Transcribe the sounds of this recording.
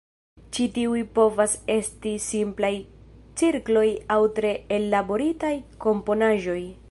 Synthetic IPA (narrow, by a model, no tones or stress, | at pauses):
t͡ʃitiujpo̞vase̞stisimplajt͡siɾklo̞jawtɾe̞ːlːabo̞ɾitajko̞mpo̞naʒo̞j